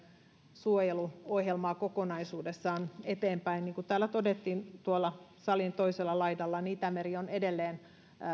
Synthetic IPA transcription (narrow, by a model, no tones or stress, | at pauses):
suojeluohjelmɑːkokonɑisuːdesːɑːnet̪eːmpæinniːŋkut̪æːlːæt̪odet̪ːiːnt̪uolːɑsɑlint̪oiselːɑlɑidɑlːɑniːt̪æmeɾionedelːeːn